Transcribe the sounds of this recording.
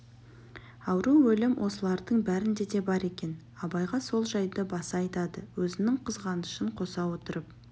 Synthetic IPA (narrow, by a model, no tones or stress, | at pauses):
ɑwɾuwɵlɪmwʔo̞səlˠɑɾd̪əɴbæɾɪnd̪e̞d̪e̞bɑɾe̞kʲe̞n | ɑbɑjʁɑso̞lˠʒɑjd̪əbɑsɑɑjt̪ɑd̪əwɵzɪnɪŋqʰəzʁɑnəʃəɴqʰo̞sɑwo̞t̪əɾəp̚